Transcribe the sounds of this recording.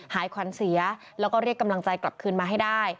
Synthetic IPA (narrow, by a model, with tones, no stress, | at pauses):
haː˩˦jkʰwa˨˩˦nsi˨˩˦ɐ | lɛː˦˥wkɔː˥˩ɾi˥˩əkːa˧mla˧ŋt͡ɕa˧jkla˨˩p̚kʰɯː˧nmaː˧ɦa˥˩jdaː˥˩j